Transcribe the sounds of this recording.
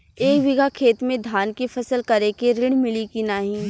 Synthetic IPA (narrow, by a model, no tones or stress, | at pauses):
eːkʋɪɡʱakʰeːt̪mẽd̪ʱaːnkifɐsəlkɐɾekeɾɪɽ̃mɪlikinaːɦĩː